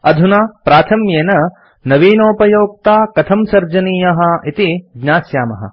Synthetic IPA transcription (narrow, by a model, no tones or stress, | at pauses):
ɐd̪ʱunaːpɾaːt̪ʰɐmjeːnɐ | nɐʋiːnoːpɐjoːk̚t̪aːkɐt̪ʰɐmsɐɾd͡ʒɐniːjɐɦɐ̆it̪iɡɲaːsjaːmɐɦɐ̰